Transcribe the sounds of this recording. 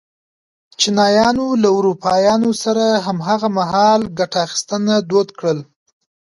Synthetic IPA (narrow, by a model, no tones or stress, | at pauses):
t͡ʃinɑjɑnolaʊɾupɑjɑnosaɾaɦamɦaɣamaɦɑlɡaʈaːxi̥st̪ənad̪od̪kɽəl